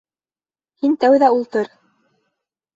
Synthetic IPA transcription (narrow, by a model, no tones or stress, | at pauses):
hint̪æwðæulˠt̪ɤɾ